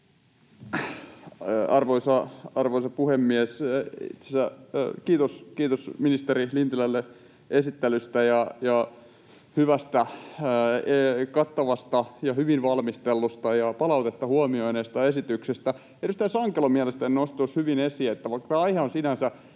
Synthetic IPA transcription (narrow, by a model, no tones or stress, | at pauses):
ɑrʋoisɑɑrʋoisɑpuhemːiɛsḭt̪sesækiːt̪oskiːt̪osminist̪erilint̪ylælːe | esit̪ːelyst̪æjɑjɑ | hyʋæst̪æ | ekɑt̪ːɑʋɑst̪ɑjɑhyʋinʋɑlmist̪elːust̪ɑjɑpɑlɑut̪et̪ːɑhuɑmioineːst̪ɑesit̪yksest̪æ | eryst̪ɑisɑŋkelomiælest̪æninost̪t̪oshyʋinesiet̪ːæʋɑikːɑtɑɑiheonsinænsæ